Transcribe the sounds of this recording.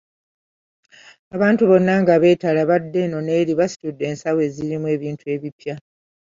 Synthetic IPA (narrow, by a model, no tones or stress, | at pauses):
aβaːntuβo̞nːaŋɡaβe̞ːtalaβadːe̞no̞ne̞ːɾiβasi̥tudːe̞ːnsawe̞ziɾimwe̞ːβiːntʰue̞ːβipja